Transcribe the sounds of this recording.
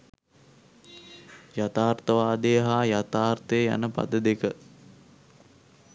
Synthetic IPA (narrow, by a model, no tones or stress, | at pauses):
jat̪aːrt̪əʋaːd̪ejəɦaːjat̪aːrt̪əjəja̰nəpa̰d̪əd̪ekə